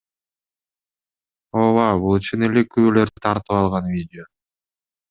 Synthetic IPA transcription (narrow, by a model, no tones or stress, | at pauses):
oβɑbulˠɯt͡ʃunele̞kyβølø̞ɾd̪yt̪ʰɑɾt̪ɯpɑlˠʁɑnvʲidʲɪo